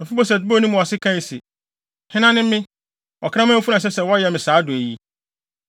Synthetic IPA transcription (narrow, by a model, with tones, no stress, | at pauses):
m̩˨fu˦bɔ˦s̬ɛ˨dbo˦nũ˦mʊ̃˨a˨sɪ˦kʰã˦˨sɛ˨ | hɪ̃˦nã˦nɪ̃˦m˦mɪ̃˦ | ɔ˨kʰã˦mã˦fu˦nã˨ɕ̬ɛ˦sɛ˨wɔ˦jɛ˨mɪ̃˨saː˨˦dʊ˨æ˨ji˦